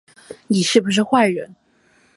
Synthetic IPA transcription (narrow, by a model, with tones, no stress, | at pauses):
ni˨˩ʂɻ̩˥˩bu˩ʂ̬ɻ̩˥˧xwa˥˩ɪɥə̰˧˥n